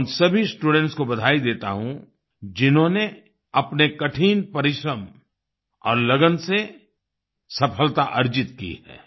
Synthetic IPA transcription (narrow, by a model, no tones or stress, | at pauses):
nsɐbʱisʈuːɖɛ̃ɳʈskobɐd̪ʱaːid̪eːt̪a̰ɦũ | d͡ʒɪnɦõne | ɐpnekɐʈʰiːnpɐɾɪʃɾəm | ɔːɾlɐɡənse | sɐpʰəlt̪aʔɐɾd͡ʒɪt̪kḭɛ̰ː